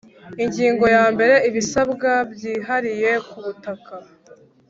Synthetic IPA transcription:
iɲɟiːŋɡo̞jaːmbe̞ɾe̞iβisabɡabjiːɦaɾije̞kuβutaka

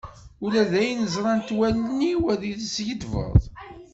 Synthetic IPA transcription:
ulæðæjnəzˤɾˤɑnt̪wælnːiwæðiðsjəd̪və̰ðˤ

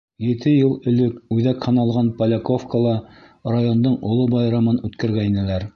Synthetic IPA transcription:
jɘ̆t̪ʰɘjɤlˠɵ̆lɘkʉðækhɤ̆nɑlˠʁɑnpɐlʲekofkolˠɑ | rajo̞nd̪oɴŏlˠobɑjɾɑmɤnʉt̪kæ̆ɾɡæinɘ̆læɾ

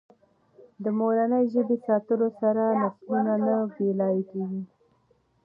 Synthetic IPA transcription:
d̪əmolanəjʒəbesɑt̪əlosaɾanaflunanabelɑjekeɡi

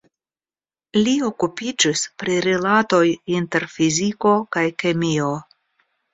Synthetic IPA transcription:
lio̞kupid͡ʒispɾiɾilato̞jinte̞ɾfiziko̞kajke̞mio

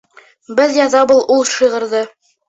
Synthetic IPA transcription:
bɘðjɑðɑbulˠulˠʃɤ̆jʁɤ̆ɾðɤ

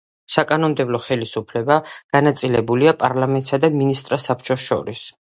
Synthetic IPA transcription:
sakʼanɔmd̪ɛblˠɔχɛlisupʰlɛbaɡ̥anat̪sʼilɛbuliapʼaɾlamɛnt̪ʼsad̪aminist̪ʼɾasapʰt͡ʃʼɔʃɔ̰ɾis

